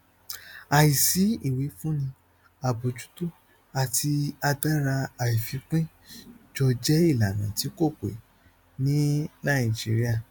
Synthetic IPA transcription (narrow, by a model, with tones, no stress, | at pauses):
a˨ji˨si˨˦i˦˨we˨˦fũ˦nĩ˧ | a˨bo˨d͡ʒu̥˨˦tu˦˨ | a˨tʰi˧a˧da˦ɾa˧a˨ji˨fi˨˧˦k͡pĩ˦ | d͡ʒɔ˧d͡ʒɛ˦i˦˨la˨nã˨ti˨˦ko˦˨k͡pḛ˨ | nĩ˨˦nã˦˨i˨d͡ʒi˨˦ɾi˦a˦˨